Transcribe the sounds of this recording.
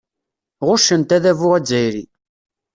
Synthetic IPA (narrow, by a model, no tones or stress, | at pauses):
ʁʊʃənt̪æðævʊʁæd͡zːæjɾi